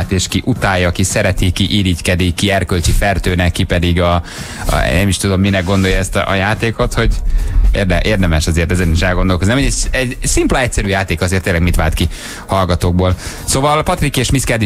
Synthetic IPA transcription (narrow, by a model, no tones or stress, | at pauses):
t̪eːʃkiʔut̪aːjɒkisɛɾɛt̪ikːiʔiːɾickɛd̪ikːiɛrkølt͡ʃifɛrt̪øːnɛkːipɛd̪iɡɒ̰ | nɛmiʃt̪ud̪o̞mːinɛɡ̚ɡo̞nd̪o̞jɒɛst̪ɒ̰ʔɒ̰jaːt̪eːko̞t̪ho̞ɟerd̪ɛʔeːrd̪ɛmɛʃɒzeːrt̪ɛzɛniʃɛlɡond̪o̞lkozinɛmeɛɟsimplɛɛc̚ʲsɛɾyːjaːt̪eːkɒzeːrt̪ːeːlɛɡmit̪ʋaːlt̪ki | hɒlɡɒt̪oːɡ̚boːlsoːvɒlpɒt̪rikeːʃmiskɛd̪i